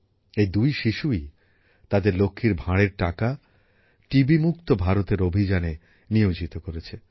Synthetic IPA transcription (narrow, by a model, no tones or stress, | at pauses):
ed̪ujʃiʃui | t̪ad̪eɾlokʰːiɾbʱaɽeɾʈaka | ʈibimuk̚t̪obʱaɾot̪eɾobʱid͡ʑane | niod͡ʑit̪okoɾet͡ɕʰe